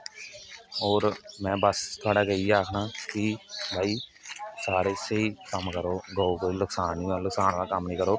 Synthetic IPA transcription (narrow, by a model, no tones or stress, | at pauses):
oːɾmɛ̃ːbəst̪ʰʊaːɽaːkəiaːkʰnaːkibʱaːiːsaːɾeːseiːkəmkəɾoːɡəːokoilʊksaːnilʊksaːnʋaːkəmnəĩːkəɾoː